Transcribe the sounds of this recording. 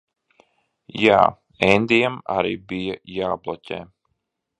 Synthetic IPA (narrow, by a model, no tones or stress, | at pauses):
ja̰ː | ɛnʲd̪ijama̰ɾḭːbijajaːblˠɔcʲɛ̰ː